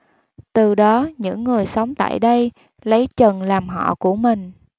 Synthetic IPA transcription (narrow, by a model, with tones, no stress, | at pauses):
t̪ɨ˨˩ɗɔ˨˦ɲɨ̰˧˥ŋːɨ˨˩əjsa˨˦wŋ͡mt̪a̰ː˧˨jɗə˧j | lə˨˦jt͡ɕə˨˩nlaː˨˩mɦɔ̰˧˨ku˧˩əmï˨˩ŋ̟